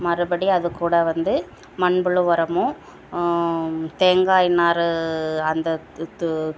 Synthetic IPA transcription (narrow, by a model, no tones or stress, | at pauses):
mɐɾɯbɐɽiɐðɯkːuːɽɐʋɐnd̪ɯ | mɐɳbɯɭɯʋɐɾɐmõ | t̪eːŋɡaːjnaːɾɯɐnd̪ɐ